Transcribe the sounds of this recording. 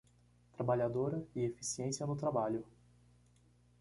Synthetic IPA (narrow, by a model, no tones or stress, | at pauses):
t̪ɾabaʎad̪oɾɐiefi̥siẽsiɐnʊt̪ɾabaʎʊ